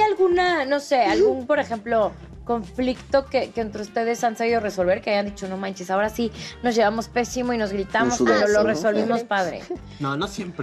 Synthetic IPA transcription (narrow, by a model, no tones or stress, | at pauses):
ajalɣunano̞se̞alɣunpo̞ɾe̞xe̞mplo̞ | ko̞ɱflikt̪o̞kekeːnt̪ɾeust̪e̞ð̞e̞sansaβ̞ið̞o̞re̞so̞lβe̞ɾkeajand̪it͡ʃo̞nomãnt͡ʃesao̞ɾasinozʝe̞βamo̞spe̞simo̞ino̞zɣɾit̪amo̞speɾoloreso̞lβimo̞spaðɾḛ | nanosjemp